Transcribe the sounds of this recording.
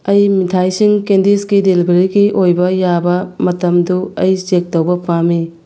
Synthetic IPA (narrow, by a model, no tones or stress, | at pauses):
ɐjmitʰajsiŋkendiskidelibeɾiɡiʔojbɐjabɐmɐtɐmduɐjsek̚tɐwbɐpami